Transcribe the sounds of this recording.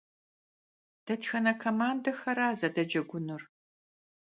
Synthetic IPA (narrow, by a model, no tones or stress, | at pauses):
d̥ɐtxɐnɐkʷʰɐmaːndɐxɐɾaːzɐdɐd͡ʒɐɡʷʊnɨr